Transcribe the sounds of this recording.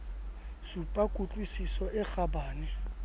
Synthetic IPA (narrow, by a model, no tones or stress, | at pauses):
supʼakʼut͡ɬʼwisisɔʔɛxabaːnɛ